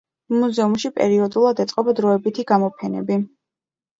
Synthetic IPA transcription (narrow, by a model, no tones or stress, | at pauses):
muzɛumʃipʼɛ̰ɾiɔd̪ulˠad̪ɛt̪sʼqʼɔbad̪ɾɔɛbit̪ʰiɡamɔpʰɛnɛ̰bi